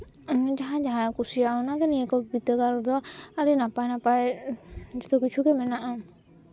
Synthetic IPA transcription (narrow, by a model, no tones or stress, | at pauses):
d͡ʒaɦãd͡ʒaɦãkusijaɔnakɛniekɔbit̪əɡaɾɔd̪ɔaaɾinapajnapaj | d͡ʒɔt̪ɔkit͡ʃʰukɛmɛnaʔã